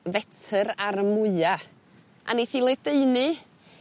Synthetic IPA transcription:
vɛtʰəɾaɾəmʊɨa | ʔa̰niθiːlˠɛdeɨnɨ

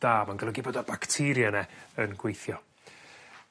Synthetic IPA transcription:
d̥aːmanɡəlˠəɡibɔdɔbaktʰɪɾjanɛənɡwejθjɔ

